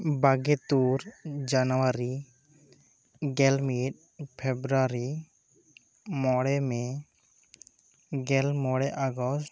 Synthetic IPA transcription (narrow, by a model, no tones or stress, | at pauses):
baɡɛt̪uɾd͡ʒanɔwaɾi | ɡɛlmiʈ̚ | pʰɛbɾuaɾi | mɔɽɛmɛ | ɡɛlmɔɽɛʔaɡɔsʈ